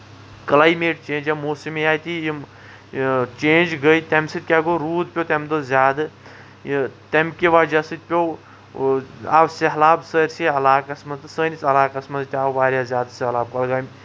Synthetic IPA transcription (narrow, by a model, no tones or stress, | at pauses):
klaːjmeːʈ̚t͡ʃẽːnd͡ʒjɐmoːsimijaːjt̪ijim | t͡ʃẽːnd͡ʒɡɐjt̪ɛmsɨt̪̚ʲkʲaɡoɾuːd̪̚pʲjot̪ʲemd̪ozʲjaːd̪ɨ | t̪emkʲiʋad͡ʒɐsɨt̪̚ʲpʲow | a̰ːwseɦlaːbsəɾʲsiɐlaːkɐsmɐnzt̪ɨsəːnʲit͡sɐlaːkɐsmɐnzt̪ʲaːwʋaːɾʲjaːzʲaːd̪sehlaːb̚kɐlɡaːmʲ